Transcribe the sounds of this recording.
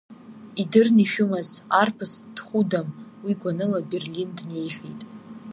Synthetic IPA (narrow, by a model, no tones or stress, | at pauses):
idɨrniʃᶣʊmazarpʰɨsd̥χʷudamwiɡʷanɨlabe̞rlindne̞jχʲitʼ